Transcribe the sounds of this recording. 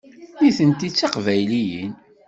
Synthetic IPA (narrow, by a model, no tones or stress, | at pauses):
jiθənt̪it͡sːɑqvæjlijḭn